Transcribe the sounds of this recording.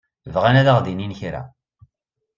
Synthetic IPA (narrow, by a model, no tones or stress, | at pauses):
vʁanæðaʁðininçɾæ̰